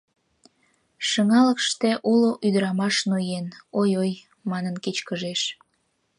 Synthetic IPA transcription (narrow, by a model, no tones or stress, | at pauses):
ʃəŋɑləkʃt̪eʔuloʔyd̪əɾɑmɑʃnujenojoj | mɑnənket͡ɕkəʒeʃ